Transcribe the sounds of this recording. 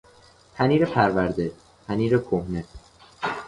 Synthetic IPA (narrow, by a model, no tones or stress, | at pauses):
p̪ʰæniːɾepʰæɾvæɾd̪e̞ | p̪ʰæniːɾekʰohne